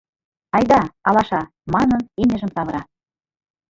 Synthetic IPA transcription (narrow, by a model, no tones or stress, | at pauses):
ɑjd̪ɑɑlɑʃɑ | mɑnɤninʲɘ̆ʒə̆msɑβɤ̆ɾɑ